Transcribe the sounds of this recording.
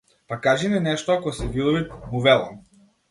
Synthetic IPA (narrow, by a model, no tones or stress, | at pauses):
pakaʒininɛʃt̪ɔakɔsɛvilˠɔvit̪muvɛlˠa̰m